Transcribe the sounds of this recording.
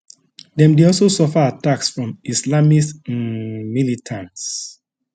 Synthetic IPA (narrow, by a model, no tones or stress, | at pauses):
dɛ̃mdeɔlsosɔfaataksfɹɔ̃mislamis | militʰãnts